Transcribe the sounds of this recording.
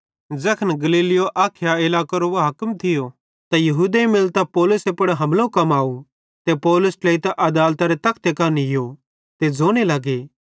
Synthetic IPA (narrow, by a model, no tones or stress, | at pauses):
d͡zɐkʰənɡɐliːlɪjoʔaːkʰjaɪlaːkoɾoʋaɦɐkmt̪ʰɪjo | t̪ajɐɦuːd̪eĩmɪlt̪apɔːlʊsepɐɽɦɐmlõkɐmaːu | t̪epɔːlʊsʈleːit̪aʔɐd̪aːlt̪aɾet̪ɐkʰt̪ekɐnɪjo | t̪ed͡zoːɽ̃elaɡe